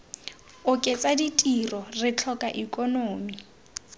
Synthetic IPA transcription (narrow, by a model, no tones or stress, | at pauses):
ʊkʼɪt͡sʼaditʼirɔrɪt͡ɬʰɔkʼaʔikʼɔnoːmi